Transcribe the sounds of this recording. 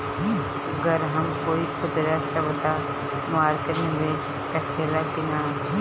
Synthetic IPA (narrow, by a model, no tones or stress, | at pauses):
ɐɡəɾɦɐmkoːikʰʊd̪ɾasɐʋd̪a | maːɾkəɾ̃ʋeːs | sɐkʰeːlaɡɪnaː